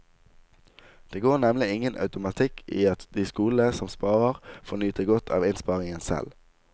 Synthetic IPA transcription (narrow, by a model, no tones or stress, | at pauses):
d̪̥eːɡoːʁnɛmlɪɪŋənʔɑ̰ʉt̪ʊmɑt̪ʰɪkʰiːɑt̪d̪iːskuːləsɔmspɑːʁəʁfɔnyːt̪əɡɔt̪ʰɑ̰ːʋɪnspɑːʁɪŋənsɛ̰l